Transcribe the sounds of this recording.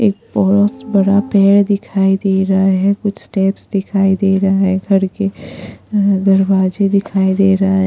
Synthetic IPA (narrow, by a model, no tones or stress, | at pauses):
eːk̚bɔɦɔt̪bɐɽapɛːɽd̪ɪkʰaːid̪eːɾɐɦaɦɛkʊt͡ʃʰsʈɛːpsd̪ɪkʰaːid̪eːɾɐɦaɦɛɡʱɐɾke | d̪ɐɾʋaːd͡ʒed̪ɪkʰaːid̪eːɾɐɦaɦɛ